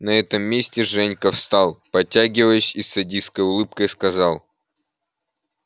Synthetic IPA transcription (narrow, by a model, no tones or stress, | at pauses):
nɐɛt̪əmːʲesʲtʲɪʐɛnʲkəfst̪ɑlˠpɐtʲːæɡʲɪvəjəsʲisːɐdʲiskəjʊlˠɨp̚kəjskɐzɑlˠ